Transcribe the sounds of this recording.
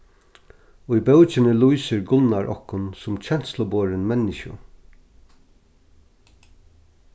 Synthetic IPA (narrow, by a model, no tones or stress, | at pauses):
ʊibœʊt͡ʃɪnɪluisɪɹɡʊnaɹʔɔ̰hkʊnsʊmt͡ʃʰɛn̥t̪slʊboːɹɪnmɛnɪʃʊ̰